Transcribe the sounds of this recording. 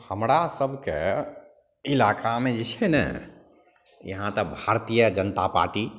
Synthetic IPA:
həmɾasəbʱkḛ | ilakʰamẽd͡ʒit͡ʃʰɛnɛ̰ | jə̰ɦãt̪əbʱaɾt̪ijəd͡ʒənət̪apa̰ɾʈi

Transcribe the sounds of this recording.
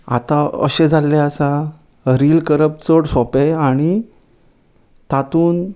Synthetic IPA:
a̰t̪ãə̰ɕẽd͡zʱalːeəsa | ɾiːlkəɾəp̚t͡səɽsɔpeaɽ̃i | t̪at̪uːn

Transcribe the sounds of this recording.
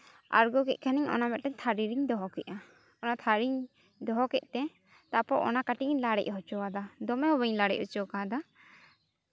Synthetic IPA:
a̰ɾɡɔkɛʔ̚kʰaniɲɔ̰namɛt̪̚tɛɲt̪ʰaɾiɾiɲd̪ɔɦɔkɛʔa | ɔnat̪ʰaɾiɲ | d̪ɔɦɔkɛʔ̚t̪ɛ | t̪apɔʔɔ̰nakaʈiʔlaɽɛ̰ʔ̚ɦɔt͡ʃɔwad̪ad̪ɔmɛhɔβəɲlaɽɛ̰c̚hɔt͡ʃɔwkad̪a

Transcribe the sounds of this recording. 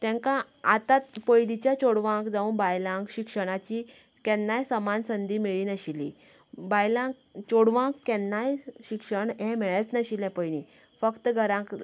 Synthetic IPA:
t̪ɛ̃ŋkã | at̪at̪pojlit͡ɕjat͡ɕoɽʋãŋkd͡zauːnbajlãŋkɕikʂəɽ̃at͡ɕi | kɛ̃nːajsəmansənd̪iːmiɭiːnəɕilḭ | bajlãk | t͡ɕoɽʋãkːɛnːajɕikʂəɳɦɛ̃mɛɭət͡snəɕilɛ̃pəjniː | fəkt̪ɡʱəɾãk

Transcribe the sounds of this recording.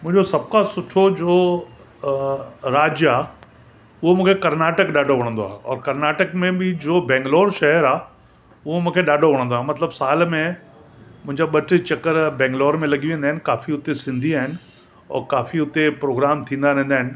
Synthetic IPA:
m̃ɦɪ̃ɲd͡ʑosɐb̚kasʊʈʰod͡ʑoː | ɾaːd͡ʑjaː | ʊɦomũːkʰekɐɾnaːʈəkɗaːɖʱoʋɐɽ̃ə̃nd̪oaːɦeɔ̰ːɾkɐɾnaːʈəkmẽbɪd͡ʑoːbɛ̃ːŋɡlɔːɾʃɛɦəɾaː | ʊɦomũːkʰeɗaːɖʱoʋɐɽ̃ə̃nd̪oaːɦmɐt̪ləbsaːlmẽ | mʊ̃ɦɪ̃ɲd͡ʑaɓɐʈʰt͡ɕɐkəɾbɛ̃ːŋɡlɔːɾmẽlɐɠiʋẽːnd̪aːɦɪnɪ̆kaːfiʊt̪esɪ̃nd̪ʱiaːɦɪnɪ̆ | ɔ̰ːɾkaːfiʊt̪epɾoːɡɾaːmt̪ʰĩːnd̪aɾɛ̃ɦn̆d̪aːɦɪnɪ̆

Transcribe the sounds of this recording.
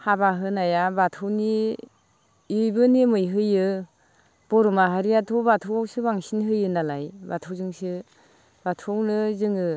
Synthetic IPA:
habaɦɯnajabatʰɯwni | jbɯnimɯjɦɯjɯ | b̥ɔɾɔmaɦaɾijatʰɔbatʰɯwawsɯbaŋsinɦɯjɯnalajbatʰɯwzɯŋsɯ | batʰɯwnɯzɯŋɯ

